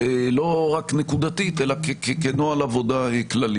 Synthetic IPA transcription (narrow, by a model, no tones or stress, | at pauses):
elo̞ʁaknekud̪at̪it̪e̞lakekekenoalavo̞d̪aeklali